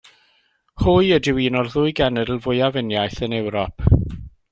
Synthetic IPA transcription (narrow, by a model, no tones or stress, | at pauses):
hʊjədɪwiːnɔrðʊɨjɡɛnɛdl̩ˠvʊjavɪnjajθənɛwɾɔpʰ